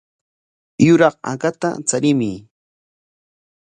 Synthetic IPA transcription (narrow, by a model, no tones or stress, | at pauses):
jʊɾɑqa̰kat̪a̰t͡saɾɪmɪ